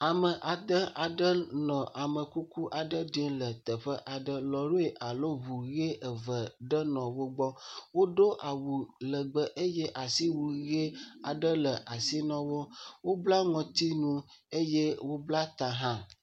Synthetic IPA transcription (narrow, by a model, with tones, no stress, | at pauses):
a˨mə˨ʔa˨d̪ə˦a˨ɖə˦nɔ̃˨ʔa˨mə˨ku˦ku˦ʔa˨ɖə˦ɖi˦lə˨t̪ə˨ɸə˦ʔa˨ɖə˦lɔ˨ɾo˦e˨ʔa˨lo˦βu˨ɣe˦ʔə˨və˨ɖə˦nɔ̃˨wo˦ɡ͡bɔ˦wo˦ɖo˦ʔa˨wu˨lə˨ɡ͡bə˨ʔe˦jɛ˦ʔa˨si˦wu˨ɣe˦a˨ɖə˦lə˨ʔa˨si˦nɔ̃˦wo˦wo˦bla˦ŋɔ̃˨t̪i˦nũ˦ | e˦jɛ˦wo˦bla˦t̪ã˨ɦã˦